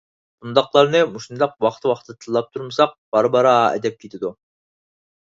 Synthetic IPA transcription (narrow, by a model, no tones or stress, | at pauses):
b̥und̪ɑqlˠɑɾnɨmuʃund̪ɑq̚wɑqt̪ʰɨwɑχt̪ʰɨt̪ʰɨlˠːɑp̚t̪ʰuɾməsɑq̚b̥ɑɾbɑɾɑɛ̰d̪ɛp̚kʲʰet̪ʰɪd̪u